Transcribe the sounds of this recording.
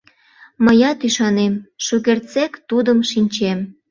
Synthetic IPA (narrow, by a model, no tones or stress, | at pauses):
məjɑt̪yʃɑnemʃukert͡sekt̪ud̪əmʃinʲt͡ɕem